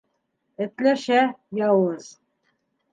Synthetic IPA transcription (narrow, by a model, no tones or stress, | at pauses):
ɘ̆t̪læʃæjɑwɤz̥